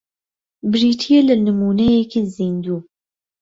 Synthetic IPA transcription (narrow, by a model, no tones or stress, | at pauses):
bɨɾiːtʰijelɨnɨmuːnɛjɛkezind̪uː